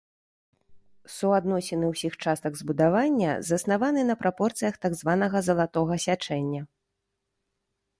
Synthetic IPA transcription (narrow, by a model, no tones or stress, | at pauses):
suad̪nɔsʲɛnɨwsʲixt͡ʂast̪ɐɡzbud̪avanʲːɐ̰zɐsnavanɨnɐpɾʔapɔrt̪sɨjɐxt̪aɡzvanɐɣɐzɐlˠat̪ɔɣɐsʲat͡ʂɛnʲːɐ